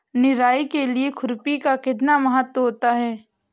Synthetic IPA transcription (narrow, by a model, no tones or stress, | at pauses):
nɪɾaːikeliekʰʊɾpikakɪt̪̬namɐɦət̪wəɦoːt̪aɦɛː